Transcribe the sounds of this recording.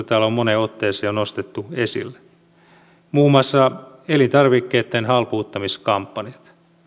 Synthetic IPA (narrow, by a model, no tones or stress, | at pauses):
t̪æːlommoneot̪ːeːseonost̪et̪ːuesḭlːe̥ | muːmˑɑsːɑ | elint̪ɑrʋikːeːt̪ːenhɑlpuːt̪ːɑmiskɑmpːɑnijɑt̪